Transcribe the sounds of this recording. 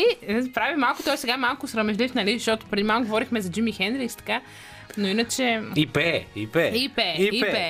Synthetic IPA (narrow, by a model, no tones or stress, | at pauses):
ipɾavimalˠkʊ̥t̪ɔjsɛɡamalˠkʊsɾɐmɛʒlifnɐlizʃt̪ɔt̪ʊ̥pɾɛd̪imaɡovɔɾixmɛzɐd͡ʒimixɛnɾist̪ɐ̥ka | noinət͡ʃɛipɛipɛipɛiipɛ